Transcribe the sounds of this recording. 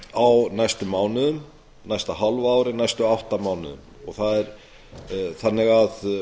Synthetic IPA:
awnajst̪ʏmaːwnɪðʏm | najst̪aɦalvaaːwɾɪnajst̪ʏawht̪amaːwnɪ̰ðʏ̰m | ɔɣθaðɛɾ | θanːɪɣað

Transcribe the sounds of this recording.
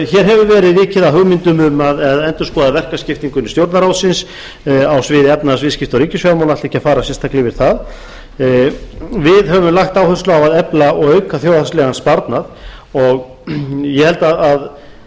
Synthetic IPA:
çɛɾ̥ɦɛvʏɾvɛːɾɪðvɪːcɪðaɦʏɣmɪnt̪ʏmʏmaðɛðɛnt̪ʏ̥skɔːðavɛr̥kascɪft̪iŋkʏnst̪jowɾt̪naɾawt̪sɪns | awsvɪːðɪɛp̚nasvɪðscɪft̪awɾiːcʏsfvjaɾmawlat̪ɛhcːafaːɾasɛnst̪ʰaklɪvɪɾ̥θað | vɪðɦɛvʏmlaxt̪awθœslawaðɛplaɔɣœɥkaθjoːwðaslɛɣanspaɾt̪naðɔɣ | jɛhɛlt̪aðað

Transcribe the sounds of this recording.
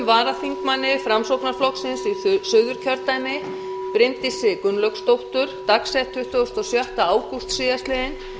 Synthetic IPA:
mvaːɾaθiŋkmanːɪfɾamsowknaɾ̥flɔksɪnsisœðʏɾ̥cʰœɾt̪ajmɪ | pɾɪnt̪ɪsɪːkʏnlœkst̪owht̪ʏɾ̥t̪aksɛjht̪ʰːʏht̪ɔst̪ɔsjɔht̪aaːwkust̪sɪːðast̪lɪɪn

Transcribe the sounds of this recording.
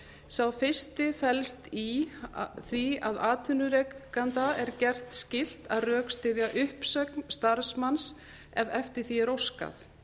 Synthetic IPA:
sawfɪ̥st̪ɪfɛlst̪i | θiaðaːt̪ʰʏnʏɾekːant̪aɛɾcɛr̥t̪scɪl̥t̪aðrœːkst̪ɪðjaʔʏhpsœknst̪aɾsmans | ɛvɛft̪ɪɾ̥θiɛɾowska̰θ

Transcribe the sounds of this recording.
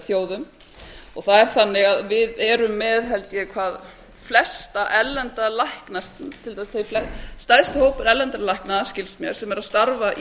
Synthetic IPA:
θjoːwðʏm | ɔɣθaðɛɾ̥θanːɪɣaðvɪðɛɾʏmːɛðɦɛlt̪jɛkʰvaːð | flɛst̪aʔɛlːɛnt̪alahknast̪ʰɪlt̪asθejflɛst̪ajðst̪hoːwpʏɾɛlːɛnt̪alajhknaðascɪlsmjœɾ̥sɛmɛɾaðst̪aɾvaʔ

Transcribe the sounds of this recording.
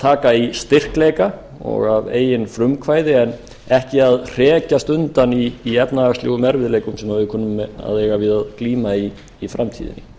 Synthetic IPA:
t̪ʰaːkaist̪ɪr̥kleːjka | ɔ̰ɣavḛːjɪnfɾʏmkʰvaːjðɪɛn | ɛhcɪaðr̥ɛːcast̪ʏnt̪aniːɛpnast̪lo̰ːɣʏmɛɾvɪðleːjkʏmsɛmhavɪðkʰɔːnʏmːɛa̰ðɛːɣavɪðaðkliːmaiː | fɾamt̪ʰiːðɪ̰nːɪ

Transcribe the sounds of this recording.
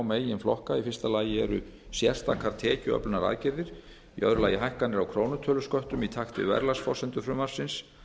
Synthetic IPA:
wmeːjɪnflɔhkaifɪ̥st̪alaːjɪɛɾʏ̰ | sjɛr̥st̪a̰ːkʰaɾ̥t̪ʰɛːcʏœ̰plʏnaɾa̰ːðcɪɾðɪɾ̥ | iʔœ̰ðɾʏlaːjɪɦajhkanɪɾawkʰɾoːwnʏt̪ʰœːlʏskœht̪ʏmit̪ʰaxt̪ɪ̰vɛ̰ɾlasfɔsɛnt̪ʏfɾʏmːaɾ̥sɪns

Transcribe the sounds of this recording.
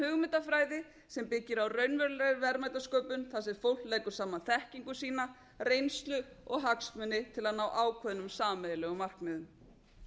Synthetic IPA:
hʏɣmɪt̪afɾaːjðɪ | sɛmpɪcːɪɾawrœɥnvɛɾlɛɾɾvɛɾmajt̪askœːwpʏnθasɛɾfowl̥t̪leːjkʏɾ̥saːmanθɛhciŋkʏsiːna | rejnst̪lʏɔɣɦaksmʏnːɪt̪ʰɪlaðnaːwʔaːwkʰvœðnʏmsaːmɛðɪlɛːɣʏmar̥knɛːðʏm

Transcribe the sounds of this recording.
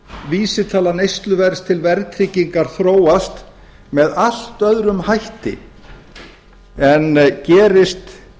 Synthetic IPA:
viːsɪt̪ʰaːlanejst̪lʏvɛɾst̪ʰɪlvɛɾt̪ʰɾiːciŋkaɾ̥θɾoːwast̪ | mɛðal̥t̪œðɾʏmhajht̪ɪ̰ | ɛncɛːɾɪst̪

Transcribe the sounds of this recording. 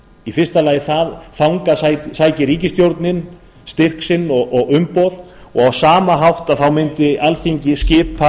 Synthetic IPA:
ifɪr̥st̪alaːjɪθaðθawŋkasasaːjcɪɾiːcɪst̪jowɾt̪nɪn | st̪ɪr̥ksɪnːɔɣɔɣʏmpɔð | ɔɣawsaːmaɦawht̪aðθawmɪnt̪ɪɛlθiɲcɪscɪːpa

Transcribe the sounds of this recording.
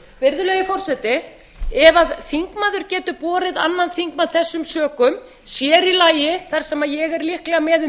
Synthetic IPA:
vɪɾðʏlœːjɪfɔr̥sɛt̪ɪ | ɛvaðθiŋkmaːðʏɾ̥cɛːt̪ʏpɔːɾɪða̰nːanθiŋkmaðθɛsːʏmsœːkʏm | sjɛːɾilaːjɪθaɾ̥sɛmajɛɣɛɾlihklɛɣamɛðʏ

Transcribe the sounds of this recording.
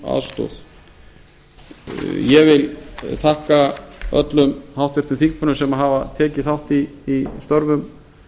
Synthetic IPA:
a̰ðst̪ɔ̰θ | jɛvɪlθahkaœ̰t̪lʏmhawht̪vɛɾ̥t̪ʏmfiŋkpʰœnʏsɛmaɦavat̪ʰɛːcɪθawht̪iːst̪ɔɾvʏm

